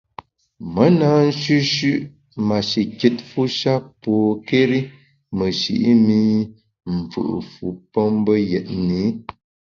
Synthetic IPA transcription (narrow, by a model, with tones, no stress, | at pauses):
mə˨˦na˨˦n̩˦ʃʉ˦ʃʉ˦ʔ | ma˨ʃi˨ki˦t̚fu˦ʃa˦pɔ˨ke˦ɾi˦ | mə˨ʃḭ˨ʔi˦mi˦ | m̩˨fṵ˨ʔfu˨pɔ˦mbə˦jɛ˨t̚ni˨˦